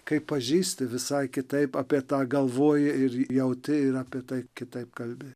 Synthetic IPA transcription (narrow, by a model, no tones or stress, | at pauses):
kɐɪppːɐʒʲiːsʲt̪ʲɪʋʲɪsɐɪkʲɪt̪ɐɪpɑːpʲiɛt̪ɑːɡɐlˠʋoːjɪɪɾjɛʊt̪ʲɪɪɾɑːpʲiɛt̪ɐɪkʲɪt̪ɐɪp̚kɐlʲbʲɪ